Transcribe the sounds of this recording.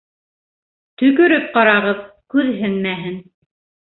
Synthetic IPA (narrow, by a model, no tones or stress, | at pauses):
t̪ɵ̆kɵ̆ɾɘp̚qɑɾɑʁɤð | kʉðɦɘnmæɦɘn